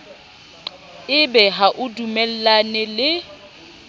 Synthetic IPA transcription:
ɪbɛɦaʔʊdumɛl̩lanɛlɪ

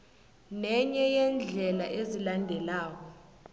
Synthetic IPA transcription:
nɛɲɛjɛnd͡ɮʱɛlaʔezilandʱɛlaːk̬ɔ

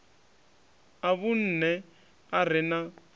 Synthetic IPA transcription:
aβun̩ːnɛ | ar̤ɪna

